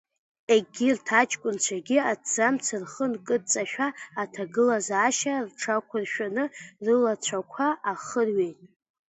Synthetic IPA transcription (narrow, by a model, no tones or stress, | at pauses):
eɡʲirtʰat͡ʃʼkʷʼʊnt͡ɕʷʰaɡʲiadd͡zamt͡sʰɨrχənkʼɨt͡sʼaʃᶣaːtʰaɡɨlazaːʃarʈ͡ʂʰakʷʰarʃᶣanɨrɨlat͡ɕʷʰakʷʰaʔːχərɥetʼ